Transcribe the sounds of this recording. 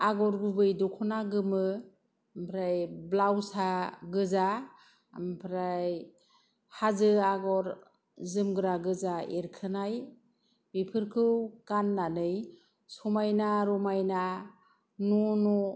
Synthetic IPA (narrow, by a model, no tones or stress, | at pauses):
aɡɔɾɡubɯjdɔkʰɔnaɡɯmɯ | mpʰɾajblawsaɡɯza | mpʰɾaj | hazɯaɡɔɾ | zɯmɡɯɾaɡɯzaeɾkʰɯnaj | bipʰɯɾkʰɯwkanːanɯj | sɔmajnaɾɔmajna | nɔnɔ